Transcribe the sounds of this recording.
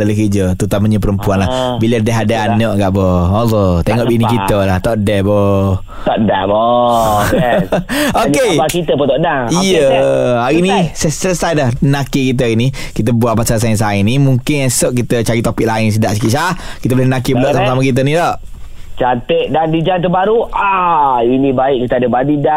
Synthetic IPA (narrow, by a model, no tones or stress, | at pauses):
daləkəd͡ʒət̪ut̪aməɲəp̬əɾəmpuanlabilədɛɦadaanəʔɡaʔbɔolɔt̪eŋɔʔbinikit̪əlaht̪ɔʔdɛhbɔ | t̪ɔʔdɛbɔ | okebakit̪əpət̪ɔʔdaijəaɾinisəsləsajdlahnãkikit̪̬əainikit̪̬əbuapasals̬ans̬ainimuŋkɪnɛsoʔkit̪ət͡ʃaɾit̪opiʔ̚laɪns̬ədaʔsəkiʔsahkit̪əbolɪhnənak̬ibəloʔsamasamakit̪̬ənĩt̪ɔʔ | t͡ʃat̪əʔ̚dandid͡ʒant̪əbaɾuainĩbaɪʔkit̪əadəbanida